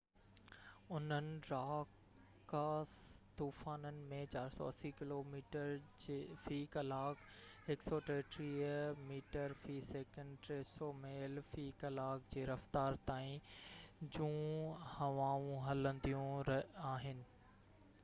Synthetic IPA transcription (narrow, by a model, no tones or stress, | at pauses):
ʊn̤ənɪ̆ɾaːk | kːaːst̪uːfaːnənɪ̆mẽt͡ɕaːɾsɔ̰ːɐsikɪloːmiːʈəɾfiːkɐlaːk | hɪksɔːʈeːʈɾiːəmiːʈəɾfiːseːkə̃ɳɖʈɾeːsoːmeːlfiːkɐlaːkd͡ʑeːɾɐft̪aːɾt̪aːĩ | d͡ʑũːhɐʋaːũɦɐlə̃nd̪ijũɾaːɦɪnɪ̆